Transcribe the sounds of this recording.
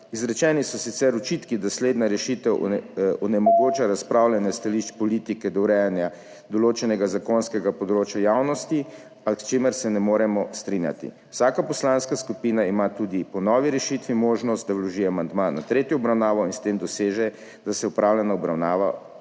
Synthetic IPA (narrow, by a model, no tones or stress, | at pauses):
izɾɛt͡ʃɛnisɔsit̪sɛɾɔt͡ʃit̪kid̪asleːd̪naɾɛʃit̪ɛwʔɔnɛmɔɡot͡ʃaɾaspɾaːwlɛnɛst̪aliʃt͡ʃpɔlit̪ikɛd̪ɔwɾɛjanja | d̪ɔloːt͡ʃɛnɛɡazakonskɛɡapɔd̪ɾoːt͡ʃjajawnɔst̪i | ast͡ʃemɛɾsɛnɛmoːɾɛmɔst̪ɾinja̰t̪ḭ | wsaːkapɔslanskaskupiːnaimat̪ud̪ipɔnɔʋiɾɛʃit̪ʋimoːʒnɔst̪̚d̪awlɔʒiɛamand̪mana̰t̪ɾeːt̪jɔɔbɾawnaːʋɔinst̪emd̪ɔseːʒɛ | d̪asɛupɾawlɛnɔɔbɾawnaːʋa̰